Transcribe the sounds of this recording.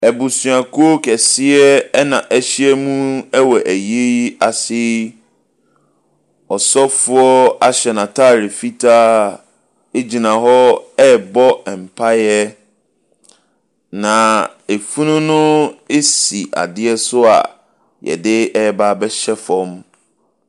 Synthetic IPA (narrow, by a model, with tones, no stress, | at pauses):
æ˨bu˨su˨a˨kʰu˦o˦kʰɛ˨sɪ˦ɛ˦ɛ˦nã˨ʔɛ˦ɕɪ˦ɛ˦mũ˦ɛ˦wɔ˨ʔæ˨je˦ji˦a˨sɪ˦ | ɔ˨sɔ˦fʊ˦ɔ˦a˦ɕɛ˨nã˨tʰa˦˨ɾɪ˨fi˦tʰaː˦ | e˦d͡ʑi˨nã˨ɦɔ˦ɛ˦˨bɔ˦ɛ˨m̩˨pʰa˦jɛ˦ | nã˨e˨fu˦nũ˦nʊ̃˦e˦si˨ʔa̰˨dɪ˦ɛ˦sʊ˦a̰˨ | jɛ̰˨dɪ˦ɛ˦ba˦bɛ˦ɕɛ˦fɔ̃˦m